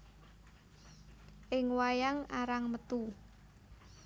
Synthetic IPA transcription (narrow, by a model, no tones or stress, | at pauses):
ʔɪŋwajaŋaɾaŋmət̪u